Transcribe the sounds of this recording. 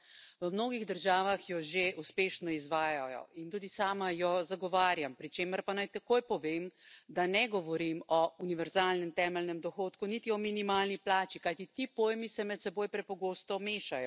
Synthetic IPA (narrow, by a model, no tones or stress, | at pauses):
ʋəmnoːɡiɣd̪əɾʒaːʋaxjɔʒeʔuspeːʃnɔizʋaːjajɔ̰int̪uːd̪isaːmajɔzaɡɔʋaːɾjampɾit͡ʃeːməɾpanajt̪akoːjpɔʋeːmd̪anɛɡɔʋɔɾimɔuniʋɛɾzaːlnɛmt̪ɛːmɛlnɛmd̪ɔxoːt̪kunit̪iɔminimaːlniplaːt͡ʃikajt̪it̪iːpoːjmisɛmɛt̪sɛboːjpɾɛpɔɡoːst̪ɔmeːʃajɔ